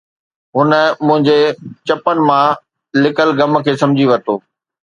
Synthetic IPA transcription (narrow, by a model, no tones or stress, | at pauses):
ɦʊnə̆mʊ̃ɦɪ̃ɲd͡ʑet͡ɕɐpənɪ̆mã | lɪkəlɡɐm̆kʰeːsɐ̃md͡ʑʱiʋɐt̪oː